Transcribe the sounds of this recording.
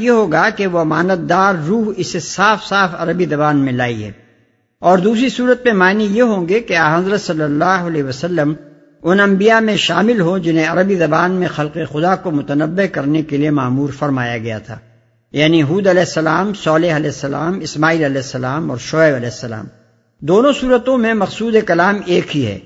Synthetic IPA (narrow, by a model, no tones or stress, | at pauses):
jeɦoːɡakeʋoɐmaːnət̪̚d̪aːɾːuːɦɪsesaːfsaːfɐ̰ɾəbizɐbaːnmẽlaːiɦɛ̰ː | ɔːɾd̪uːsɾisuːɾət̪̚mẽmaːnijeɦõːŋɡekeaːɦɐzɾət̪sɐlːəlːaːɦʊɐlɛɦiʋəsɐlːəm | ʊnɐ̃mbijamẽʃaːmɪlɦod͡ʒɪnɦẽɐɾəbizɐbaːnmẽxɐlqexʊd̪akomʊt̪ənəbːekɐɾnekeliemaːmuːɾfɐɾmaːjaɡɐja̰t̪ʰa̰ː | jaːniɦuːd̪ɐlɛːɦsːɐlaːmsɔːleɦɐlɛɦsːɐla̰ːmɪsmaːiːlɐlɛːɦsːɐlaːmɔ̰ːɾʃoːeːbɐlɛːɦsːɐla̰ːm | d̪oːnõsuːɾət̪õmẽmɐqsuːd̪ekɐlaːmeːkɦiɦɛ̰ː